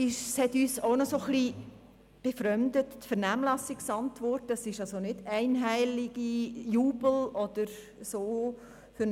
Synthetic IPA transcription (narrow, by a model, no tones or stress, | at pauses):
ɪʃshɛtyːsoʊnɔsoχli | b̥efɾœmd̪əttfɛɾnæːmlɑsɪksɑntʋɔrtɑsɪʃɑlsonɪdæɪnɦæɪlɪɡ̥ijuːbəl̩ɔd̪̥əɾ | soː | fʏɾ